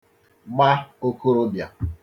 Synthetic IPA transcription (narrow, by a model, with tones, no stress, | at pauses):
ɡ͡ba˦o˦ku˦ɾo˦bja˨